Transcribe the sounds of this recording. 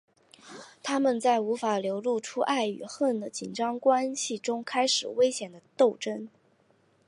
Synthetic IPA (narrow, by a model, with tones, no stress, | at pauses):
t̪ʰa˥mə˨nt͡sa˥˩ɪu˧˥fa˨˩ljo˧˥ʊlu˥˩ʈ͡ʂʰu˥ʔa˥˩ɪy̰˨˩xə˥˩nd̪ə˩t͡ɕi˨˩nʈ͡ʂɑ˥ŋkwa˥nɕi˨˩ʈ͡ʂʊ˥ŋkʰa˥ɪʂɻ̩˨˩we˥ɪɕjɛ˨˩nd̪ə˦t̪o˥˩ʊʈ͡ʂə˥n